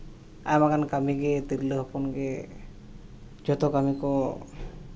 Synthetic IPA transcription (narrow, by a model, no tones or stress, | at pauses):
a̰jmaɡankamiɡet̪iɾleɦɔpɔnɡe | d͡ʒɔt̪okamikɔ